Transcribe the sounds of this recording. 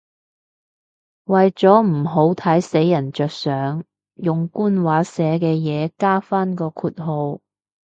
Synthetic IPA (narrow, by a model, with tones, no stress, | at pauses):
wɐ˨jt͡sɔː˨˥m̩˨˩ɦo˨˥wt̪ʰɐ˨˥jse˨˥jːɐ˨˩nt͡ʃœː˨k̚sœː˨˥ŋ | jʊ˨ŋkuː˥nwaː˨˥sɛː˨˥kɛː˧jɛː˨˧kaː˥faː˥nkɔː˧kʰuː˧t̚ɦo˧w